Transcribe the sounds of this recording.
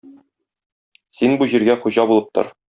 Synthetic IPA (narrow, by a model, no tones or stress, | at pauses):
sinbuʑiɾɡæχuʑɑbulˠɤp̚t̪ɤ̰ɾ